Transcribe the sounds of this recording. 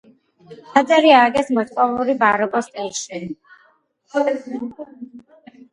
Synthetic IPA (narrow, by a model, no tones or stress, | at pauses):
ad̪zʼɛɾiaɡɛsmɔɾt̪ʼɔvuɾibaɾɔbʼɔst̪ʼɛlˠʃi